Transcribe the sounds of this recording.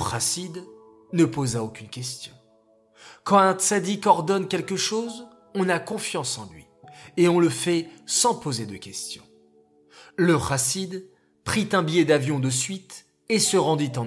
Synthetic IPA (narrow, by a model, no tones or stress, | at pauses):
ʁasid̪ | nəpozaokʲynkʲɛst̪jɔ̰̃ | kɑ̃ɛ̃t̪sad̪ikɔʁd̪ɔnkʲɛlkəʃoz | ɔ̃nakɔ̃fjɑ̃sɑ̃lɥi | eɔ̃ləfɛsɑ̃pozed̪əkʲɛst̪jɔ̰̃ | ləʁasid̪ | pχit̪ɛ̃bijɛd̪avjɔ̃d̪əsɥit̪ | esəʁɑ̃d̪it̪ɑ̃